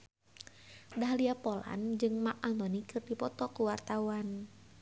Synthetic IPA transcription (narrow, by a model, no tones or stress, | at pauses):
daɦliapɔla̰nd͡ʒɨŋmaʔant̪ɔnikɨrdipɔt̪ɔkuwart̪auan